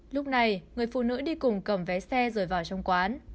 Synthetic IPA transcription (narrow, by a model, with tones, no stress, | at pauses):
lʊ˦˥k͡p̚na˨˩jŋɨ˨˩əjfṵ˧˨nɨ̰˧˥ɗi˧kʊ˨˩ŋ͡mkə˧˩mvɛ˨˦sɛ˧zəː˨˩jvaː˨˩wt͡ɕɔ˧wŋ͡mkwaː˨˦n